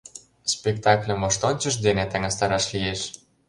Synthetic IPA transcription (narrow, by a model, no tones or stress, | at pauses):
spekt̪ɑklʲə̆moʃt̪onʲt͡ɕə̆ʃ̬d̪enet̪æŋɑst̪ɑɾɑʃlijeʃ